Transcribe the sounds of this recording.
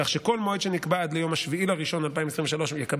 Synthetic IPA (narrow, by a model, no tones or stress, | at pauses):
aχʃeko̞lmoid̪ʃenikbaad̪lejo̞maʃviilaʁiʃo̞nalpaimes̬ˤʁĩveʃalo̞ʃjekab